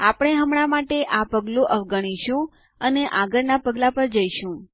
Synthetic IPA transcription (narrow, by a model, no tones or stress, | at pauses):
apəɽ̃eɦəmɽ̃amaʈeʔapəɡloʔəʋɡəɽ̃iʃũ | əneʔaɡəɾnapəɡlapəɾd͡ʒəiʃũ